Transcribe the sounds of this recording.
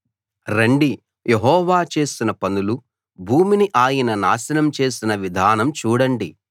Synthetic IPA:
ɾeɳɖi | jʔeɦɔːʋaːt͡ʃe̞ːsinɐpɐnulu | bʱuːminiʔaːjɐnɐnaːʃɐnɐmt͡ʃe̞ːsinɐʋid̪ʱaːnɐmt͡ʃuːɽɐɳɖi

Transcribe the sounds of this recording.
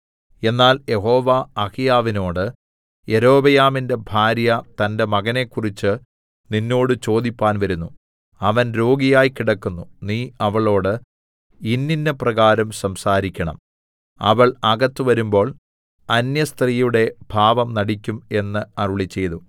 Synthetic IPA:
e̞nːaːljʔe̞ɦo̞ːʋaɐkijaːʋino̞ːɽɨ | e̞ɾo̞ːbɐjaːminde̞bʱaːɾjɐt̪ɐnde̞mɐɣɐne̞kːurit͡ɕːɨ | ninːo̞ːɽɨt͡ɕo̞ːd̪ipʲːaːnʋɐɾunːu | ɐʋɐnɾo̞ːɡijaːjkiɽɐkːunːuniːɐʋɐɭo̞ːɽɨ | inːinːɐprɐɣaːɾɐmsɐmsaːɾikʲːɐɳɐ̰m | ɐ̰ʋɐɭɐɡɐt̪ːɨʋɐɾumbo̞ːɭ | ɐnjɐst̪rijuɽe̞b̥ʱaːʋɐmnɐɽikʲːume̞nːɨɐruɭit͡ɕːe̞jðu

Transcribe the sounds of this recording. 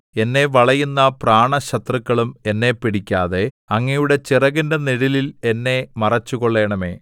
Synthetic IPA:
e̞nːe̞ʋɐɭɐjunːɐpraːɳɐɕɐt̪rɨkːɐɭume̞nːe̞pːiɽikʲːaːðe̞ | ɐŋːɐjuɽe̞t͡ɕirɐɣindeniɽilile̞nːe̞mɐrɐt͡ɕːuɣo̞ɭːe̞ːɳɐme̞̰ː

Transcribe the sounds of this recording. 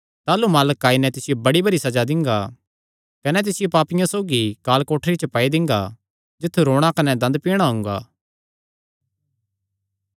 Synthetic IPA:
t̪aːlumaːləkːaːinɛt̪ɪsɪjobɐɽibɐɾisɐd͡ʒad̪ɪ̃ŋɡa | kɐnɛt̪̬ɪsɪjopaːpɪjãsoːɡikaːlkoːʈʰɾit͡ʃəpɐid̪ɪ̃ŋɡa̰ | d͡ʒɪt̪ʰːuɾoːɽ̃ãkɐnɛd̪ɐ̃nd̪̚piːɽ̃aɦʊ̃ŋɡa̰ː

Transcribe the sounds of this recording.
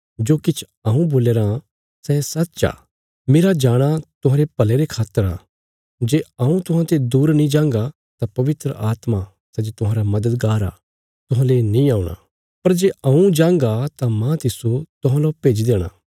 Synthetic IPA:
d͡ʒoːkɪt͡ʃʰ | aːũboːleːɾã | sɛsɐt̪t͡ʃa̰ː | meːɾad͡ʒaːɽ̃at̪ʊɦãːɾepɐleɾekʰaːt̪ːəɾa̰ː | d͡ʒeːaũt̪ʊɦãt̪ed̪uːɾnĩd͡ʒãːŋɡa | t̪apɐʋɪt̪ɾə̰ʔaːt̪ma | sɛd͡ʒet̪ʊɦãːɾamɐd̪əd̪ɡaːɾa̰ | t̪ʊɦãlenĩaːuɽ̃a̰ | pɐɾd͡ʒeːɐũd͡ʒãːŋɡat̪amãt̪ɪsot̪ʊɦãːlopeːd͡ʒd̪eːɽ̃a̰ː

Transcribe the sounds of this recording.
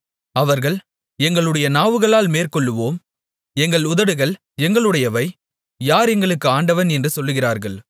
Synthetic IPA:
ɐʋɐɾɣɐɭ | ɛŋɡɐɭɯɽɐjɐnaːʋɯɣɐɭaːlmeːɾkɔɭːɯʋoːm | ɛŋɡɐɭʊðɐɽɯɣɐɭ | ɛŋɡɐɭɯɽɐjɐʋɐɪ | jaːɾɛŋɡɐɭɯkːɯaːɳɖɐʋɐnɛndrɯsɔlːɯɣɪraːɾɣɐɭ

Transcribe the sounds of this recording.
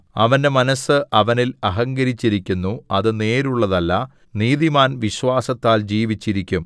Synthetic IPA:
ɐ̰ʋɐnde̞mɐnɐsɨʔɐʋɐnilɐɦɐŋɡɐɾit͡ɕːiɾikʲːunːuɐðɨne̞ːɾuɭːɐðɐlːɐ | niːðimaːnʋiɕʋaːsɐt̪ːaːld͡ʑiːʋit͡ɕːiɾikʲːum

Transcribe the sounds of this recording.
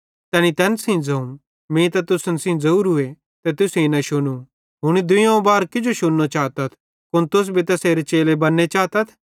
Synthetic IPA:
t̪ɛːnit̪ɛːnsĩd͡zɐũm | mĩt̪ɐt̪ʊsənsĩd͡zɐɾuːɾɦʊe | t̪ɛt̪ʊsjĩnɐʃʊnu | ɦʊɽ̃id̪ʊjõbaːɾkɪd͡ʒoʃʊnːot͡ʃaːt̪ɐt̪ʰ | kʊnt̪ʊs̬bʱit̪ɐseːɾet͡ʃeːlebɐnːet͡ʃaːt̪ɐt̪ʰ

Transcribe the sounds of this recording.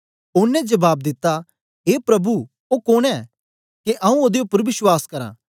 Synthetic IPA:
ʊnɛ̃d͡ʒɐbaːbd̪ɪt̪ːa | ɦeːpɾɐbu | oːkoːnɛː | keʔɐ̃ũoːd̪eʊpːəɾbɪswaːskɐɾã̰ː

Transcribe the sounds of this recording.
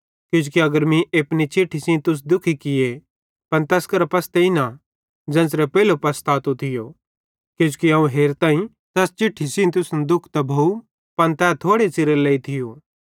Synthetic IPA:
kjʊ̃ːd͡ʒukiɐɡəɾmĩʔeːpnit͡ʃɪʈʰːisĩnt̪ʊs̬d̪ʊkʰikɪje | pɐnt̪ɛːskɐɾpɐst̪eɪna | d͡ʒɛ̃ːsɾepɛːlopɐst̪aːt̪ut̪ʰɪjo | kjõːt͡ʃu̥kiɐ̃ũɦeːɾt̪ãːĩ | t̪ɛːst͡ʃɪʈʰːisɪ̃t̪ʊsnd̪ʊkʰt̪ɐbʱɐu | pɐnt̪ɛːt̪ʰoːɽet͡ʃɪɾeleːit̪ʰɪjoː

